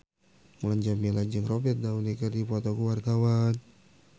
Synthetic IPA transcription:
məlaɲd͡ʒamilad͡ʒəŋrobɛt̪̚daulikərdipot̪okuwart̪awan

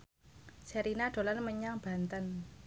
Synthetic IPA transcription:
sɛɾinaɖ̪̥o̤lanməɲaŋb̥a̤nt̪ən

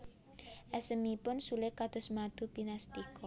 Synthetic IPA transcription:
ʔɛsəmipʊnsulɪkad̪̥ʊ̤smad̪̥ubinast̪ikɔ

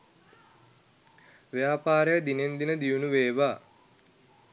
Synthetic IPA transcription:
ʋjaːpaːɾəjəd̪inend̪inəd̪iunuʋeːʋaː

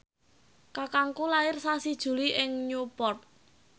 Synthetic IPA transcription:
kakaŋkulaɪrsasid̥ʒ̥ṳliʔɪŋɲupɔrt̪̚

